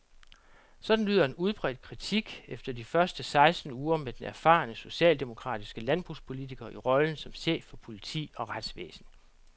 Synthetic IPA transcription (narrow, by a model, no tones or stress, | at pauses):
sɒ̽d̥n̩lyːðˠɐe̝nuð̞ˠb̥ʁɛ̰ːd̥̚kʰʁit͡sʰiɡ̥efd̥ɐd̥ifɶɐsd̥əsɑ̈ɪsd̥n̩uːɐmed̥enæɐfɑ̰̈ːnəso̝ɕɛ̰ːld̥e̝mo̝kʰʁɑ̰̈ːd̥isɡ̥əlænb̥ʁuspʰo̝lit͡sʰiɡ̥ɐʔiʁɒ̽ln̩sɒ̽mse̝̰̥ːfɒ̽pʰo̝lit͡sʰḭːɒ̽ʁad̥sʋḛːsn̩